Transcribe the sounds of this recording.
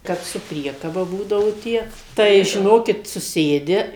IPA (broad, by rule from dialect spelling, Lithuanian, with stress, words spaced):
ˈkɐp sʊ ˈpʲrʲiɛkɐbɐ ˈbuːdɐʋɐʊ ˈtʲiɛ tɐɪ ʒʲɪˈnoːkʲɪt sʊˈsʲeːdʲɪ